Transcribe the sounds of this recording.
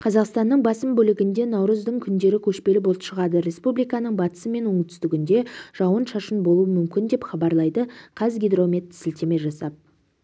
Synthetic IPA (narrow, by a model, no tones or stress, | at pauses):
qʰɑzɑqst̪ɑnːəɴbɑsəmbɵlɪɡʲɪnd̪e̞nɑwɾəzd̪əɴkʲʰʏnd̪e̞ɾɪkʲʰɵʃpe̞lɪbo̞lˠəpʃəʁɑd̪əɾe̞spublijkɑnəɴbɑt̪ə̥səme̞nwɵŋt̪ʰʏst̪ɪɡʲɪnd̪e̞ʒ̥ɑwənʃɑʃənbo̞lˠuwəmʏmkʲɪnd̪e̞pχɑbɑɾlˠɑjd̪əqʰɑzɡʲed̪ro̞mʲet̪ːɪ̥sɪlt̪e̞me̞ʒɑsɑp̚